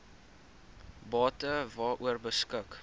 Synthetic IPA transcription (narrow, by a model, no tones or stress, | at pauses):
bɑːtəvɑːʔuərbəskək